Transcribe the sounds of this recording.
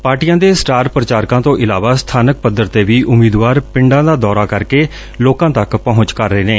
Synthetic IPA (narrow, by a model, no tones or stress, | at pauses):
paːɾʈijãːd̪eːsʈaːɾpɾət͡ʃaːɾkãːt̪õːʔɪlaːʋaːst̪ʰaːnək̚pəd̪əɾt̪eːʋiːʔʊmiːd̪ʋaːɾpɪ̃ɳɖãːd̪aːd̪ɔːɾaːkəɾkeː | loːkãːt̪əkpəɦʊ̃t͡ʃkəɾːeːneː